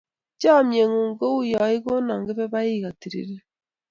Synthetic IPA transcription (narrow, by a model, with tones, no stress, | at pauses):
t͡ʃa˦˨mje˨ŋu˨ŋɡo˦u˦jɔ˨i˦ɣo˦na˨ŋɡe˦βe˦βa˦i˦ɣa˨ti˨ɾḭ˨ɾe˦